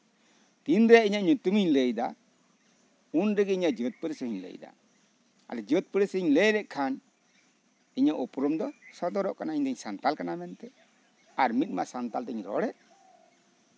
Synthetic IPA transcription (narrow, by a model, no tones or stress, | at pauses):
t̪ind̪ɾɛʔiɲaʔɲut̪umiɲləjd̪a | unɾɛɡɛiɲaʔd͡ʒət̪̚pəɾəsəɦiɲlə̰jd̪a̰ | a̰lɛd͡ʒət̪̚pəɾesiɲləjɾɛʔkʰan | iɲaʔɔpɾɔmd̪ɔsɔt̪ɔɾɔʔkanaiɲd̪ɛɲsant̪alkanamɛnt̪ɛ | aɾmit̪̚ˀma̰ʔsant̪alt̪ɛɲɾɔ̰ɽɛʔ